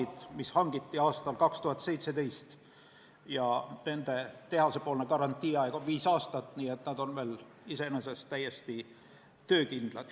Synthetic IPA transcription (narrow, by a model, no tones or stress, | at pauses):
id̪̥mishɑŋɡ̥it̪ːiɑːst̪ɑlkɑkst̪uhɑt̪ːˑsejt̪se̞t̪e̞jst̪ | jɑne̞nd̪̥e̞t̪e̞hɑse̞po̞ːlnekɑɾɑnt̪ːˑiːɑekoviːsɑːst̪ɑt̪ːˑniːe̞t̪næd̪̥o̞nve̞ːl | ise̞nesest̪ːæje̞st̪i | t̪ø̞ːkind̪̥lɑd̪̥